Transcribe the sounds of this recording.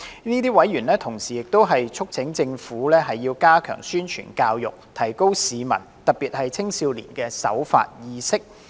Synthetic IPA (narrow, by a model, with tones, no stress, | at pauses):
niː˥t̪iː˥wɐ˨˥jɥyː˨˩nlɛː˥t̪ʰʊ˨˩ŋsiː˨˩jɪ˨k̚t̪o˥wɦɐ˨jt͡ʃʰʊ˥k̚t͡sʰɪ˨˥ŋt͡sɪ˧ŋfuː˨˥lɛː˥ɦɐ˨jːiː˧wkaː˥kʰœ̰ː˨˩ŋsyː˥nt͡ʃʰy̰˨˩nkaː˧wjʊ̰˨k̚t̪ʰɐ˨˩jko˥wsiː˨˧mɐ̰˨˩nt̪ɐ˨˩k̚piː˨t̚hɐ˨jt͡sʰɪ˥ŋsiː˧wlḭː˨˩nkɛː˧sɐ̰˨˥wfa̰ː˧t̚jiː˧sɪ˥k̚